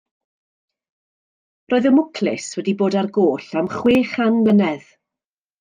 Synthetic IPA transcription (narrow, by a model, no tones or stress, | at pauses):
roːɨðəmʊkʰlɪ̰swɛdiboːdarɡoːɬamχweːχanlənɛð̥